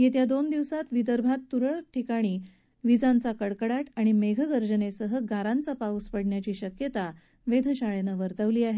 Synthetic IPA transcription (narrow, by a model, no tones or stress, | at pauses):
jet̪jad̪ond̪iʋsat̪ʋid̪əɾbʱat̪ːuɾəɭʈʰikaɽ̃iː | ʋid͡zãnt͡sakəɽkəɽaʈaɽ̃imeɡʱəɡəɾd͡ʑənesəɦəɡʱaɾãnt͡sapauspəɽɳjat͡ɕiːɕəkjət̪a | ʋed̪ʱəɕaɭenəʋəɾt̪əʋliːaɦe